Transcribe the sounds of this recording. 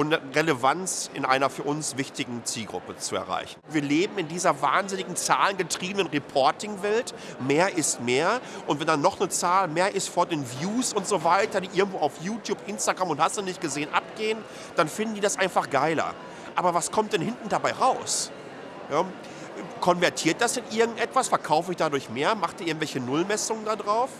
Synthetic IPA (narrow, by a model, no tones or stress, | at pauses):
ʔʊmʁeləvant͡sɪ̰nʔa̰ɪnɐfyːɐʔʊnsv̥ɪçtɪɡŋ̩t͡siːlɡʁʊ̰pət͡suɛ̰ɐʁa̰ɪçn̩viːɐleːbm̩ɪndiːzɐvaːnzɪnɪɡŋ̩t͡saːlənɡətʁ̥iːbənənʁɛpʰɔɐtɪŋvɛltmeːɐʔɪst̚meːɐʔʊntvɛndanːɔχnət͡saːlmeːɐʔɪstfoːɐdeːnvjuːsʊntz̥ovaɪtɐdiːʔɪɐɡŋ̩tv̥oːaʊfjuːtjuːpʔɪnstaɡʁamʊnthastunɪçt̚ɡ̥əzeːənʔa̰p̚ɡ̥eːən | d̥anfɪndn̩diːdasʔaɪnfaχɡ̥aɪlɐ̰ | ʔaːbɐvaskʰɔmt̚d̥ɛnhɪntn̩dabaɪʁaʊs | jaː | kʰɔnvɛɐtʰiːɐt̚d̥asd̥ɪnʔɪɐɡŋ̩tʔɛtv̥asfɛɐkʰaʊfəɪçd̥adʊɐçmeːɐmaχd̥iːʔɪɐŋ̩tvɛlçənʊlmɛsʊŋəndadʁaʊf